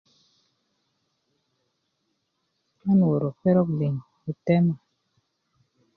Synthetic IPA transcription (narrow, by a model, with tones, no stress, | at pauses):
a˦n˨wo˨ɾo˨fɛ˦ɾɔ˦kli˨ŋ | o˨tɛ˦ma˨